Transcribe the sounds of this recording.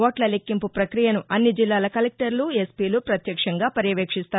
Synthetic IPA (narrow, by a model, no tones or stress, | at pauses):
oːʈlɐlekːimpupɾɐkɾijɐnuʔɐnːid͡ʒilːaːlɐkɐlek̚ʈɐɾluespiːlupɾɐt̪jɐkʂɐŋɡaːpɐɾjɐʋeːkʂist̪aː